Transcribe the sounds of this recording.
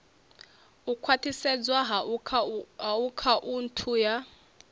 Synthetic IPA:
ukʰwatʰisɛd͡zwaɦʰ | ɦaukʰaʔuntʰuja

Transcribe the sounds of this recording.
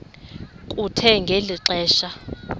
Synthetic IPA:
kʼutʰɛŋɡʱeliǁɛːʃa

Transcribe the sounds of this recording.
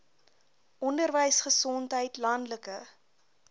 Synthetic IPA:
ʔɔndərvəjsχəsɔntɦəjtlɐndləkə

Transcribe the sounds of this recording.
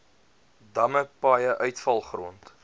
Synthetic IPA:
dɐməpɑːjəʔœɥtfɐlˠχruənt

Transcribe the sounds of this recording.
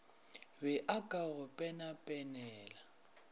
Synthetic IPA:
wɛʔakʼaɣʊpʼɛnapʼɛnɛːla

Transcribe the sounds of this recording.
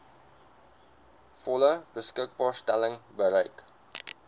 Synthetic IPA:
fɔləbəskək̚bɑːrstæləŋbəɾəjk

